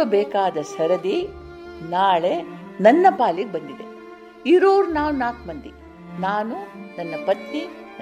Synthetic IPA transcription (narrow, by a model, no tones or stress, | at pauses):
ɐbɛːkaːd̪ɐsɐɾɐd̪i | naːɭe̞nɐnːɐbaːliɡebɐnd̪id̪e | iɾoːɾunaːwnaːkmɐnd̪i | naːnunɐnːɐbɐt̪ni